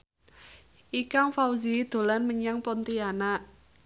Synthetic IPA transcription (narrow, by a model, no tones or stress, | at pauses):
ʔikaŋfauzid̪̥o̤lanməɲaŋpɔnt̪ianaʔ